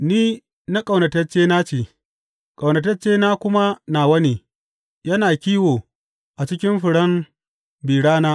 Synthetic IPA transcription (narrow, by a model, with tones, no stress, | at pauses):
niː˦ | na˦kʼɐ˨wnɐ˨tɐ˦t͡ʃeː˦naː˦t͡ʃeː˨ | kʼa˨wnɐ˨t̬ɐ˦t͡ʃeː˦naː˦kʷʊ˦ma˦naː˨wɐ˦ni˨ | jɐ˦naː˨kʲiː˦woː˨ | ʔa˨t͡ʃɪ˦kʲɪ˦mɸɪ˨ɽɐ˦m | biː˨ɽaː˦naː˦